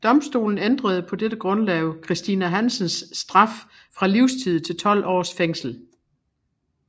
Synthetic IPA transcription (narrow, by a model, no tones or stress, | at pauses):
d̥ɒ̽msd̥o̝̰ːln̩end̥ʁɐð̞̩ˠpʰɒ̽d̥ed̥əɡ̥ʁɔ̽nlɛʊkʰʁisd̥inæɦænsənsːd̥ʁɑ̈f | fʁɑ̈liʊst͡sʰið̰̩ˠt͡sʰe̝lt͡sʰɒ̽l̰ɒ̰ːsfeŋ̰sl̩